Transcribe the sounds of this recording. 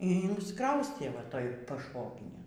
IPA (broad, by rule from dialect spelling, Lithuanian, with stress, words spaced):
iː ɪnsˈkrɐʊsʲtʲeː ʋɐˈtoːj pɐʃˈʋoːɡʲɪnʲeːn